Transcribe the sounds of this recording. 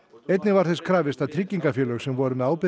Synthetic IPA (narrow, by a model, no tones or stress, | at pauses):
ejt̪nɪvaɾ̥θɛskʰɾaːvɪst̪aðt̪ʰɾɪcːiŋkafjœːlœɣsɛmvɔɾʏmɛaːwpɪ